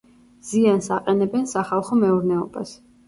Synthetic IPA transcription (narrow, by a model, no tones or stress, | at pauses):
z̥iansaqʼɛnɛbɛnsaχalˠχɔmɛuɾnɛɔb̥a̰s